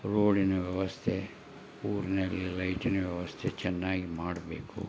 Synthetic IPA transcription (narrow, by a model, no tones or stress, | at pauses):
ɾoːɽinɐʋjɛʋɐst̪ʰe | uːɾinɐlːilɐjʈinɐʋjɛʋɐst̪ʰet͡ʃɛnːaːɡimaːɽɐbeːkṵ